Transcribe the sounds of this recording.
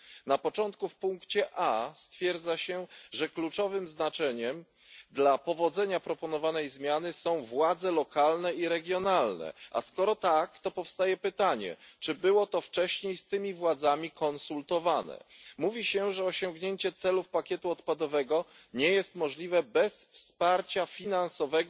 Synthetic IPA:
napɔt͡ʂɔnt̪kufpuŋkt͡ɕɛʔast̪fʲjɛɾd̪zaɕɛʐɛklut͡ʂɔvɘmznat͡ʂɛɲɛm | d̪lapɔvɔd̪zɛɲapɾɔpɔnɔvanɛjzmʲjanɘsɔ̃w̃vwad̪zɛlɔkalnɛiɾɛɡʲjɔnalnɛ̰ʔa̰skɔɾɔt̪akt̪ɔpɔfst̪ajɛpɘt̪aɲɛ̰t͡ʂɘbɘwɔt̪ɔft͡ʂɛɕɲejst̪ɘmʲivwad̪zamʲikʰɔnsult̪ɔvanɛ̰muvʲiɕɛʐɛɔɕɔ̃ŋɡɲeɲt͡ɕɛt̪sɛlufpakʲjɛt̪uɔt̪pad̪ɔvɛɡɔ | ɲɛjɛst̪mɔʐlʲivɛbɛsfspaɾt͡ɕafʲinansɔvɛɡ

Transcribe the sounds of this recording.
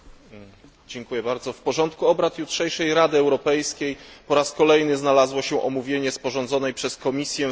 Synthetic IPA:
d͡ʑɛŋkujɛbaɾd̪zɔfpɔʐɔnt̪kuɔbɾat̪jutʂɛjʂɛjɾad̪ɘɛwɾɔpɛjskʲejpɔɾaskɔlɛjnɘznalazwɔɕɛʔɔmuvʲjeɲɛspɔʐɔnd̪zɔnɛjpʂɛskɔmʲisʲjɛ

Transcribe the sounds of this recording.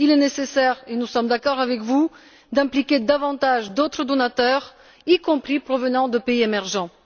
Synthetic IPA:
ilɛnesesɛʁenusɔmd̪akɔʁavɛkvu | d̪ɛ̃plikʲed̪avɑ̃t̪aʒd̪ot̪χəd̪ɔnat̪œʁ | ikɔ̃pχipχɔvənɑ̃d̪əpeiemɛʁʒɑ̃

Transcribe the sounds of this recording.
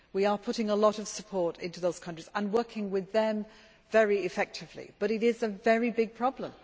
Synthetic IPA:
wiəpʰʊɾɪ̃ŋəlɒɾəv̥səpʰɔɹɾɪ̃ntʉðoʊz̥kʰʌ̃nt͡ʃɹ̥izə̃nwɜˑ˞kʰɪ̃ŋwɪðə̃ɱ | vɛɹiɪfɛk̚tʰɪvlḭb̥ʌɾɨɾɪzəvɛɹibɪɡ̚pʰɹ̥ɒblə̃m

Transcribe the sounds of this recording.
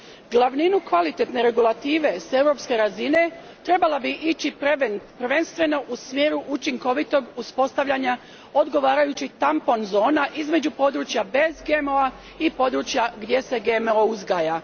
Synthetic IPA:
ɡlˠaʋninukʋalit̪e̞t̪ne̞ɾe̞ɡulˠat̪iːʋe̞se̞ʋɾo̞pske̞ɾazine̞ | t̪ɾe̞balˠabiʔit͡ɕinpr̩ʋe̞nst̪ʋe̞no̞ʔusmje̞ːɾuʔut͡ʃiŋko̞ʋit̪o̞ɡuspo̞st̪aʋʎaɲa | o̞d̪ɡo̞ʋaːɾajut͡ɕit̪ampo̞nzo̞ːnaʔizme̞d͡ʑupo̞d̪ɾut͡ʃjabe̞zɡemoa | ipo̞d̪ɾut͡ʃjaɡd̪je̞se̞ɡemouzɡaːja

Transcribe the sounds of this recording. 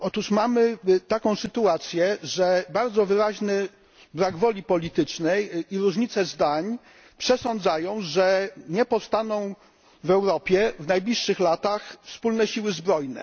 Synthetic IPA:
ɔt̪uʂmamɘt̪akɔ̃w̃sɘt̪uat̪sʲjɛʐɛbaɾd̪zɔvɘɾaʑnɘ | bɾaɡvɔlʲipɔlʲit̪ɘt͡ʂnɛjiɾuʐɲit̪sɛzd̪aɲ | pʂɛsɔnd̪zajɔ̃w̃ʐɛɲɛpɔfst̪anɔ̃w̃ | vɛwɾɔpʲjɛvnajblʲiʂːɘxlat̪axfspulnɛɕiwɘzbɾɔjnɛ̰

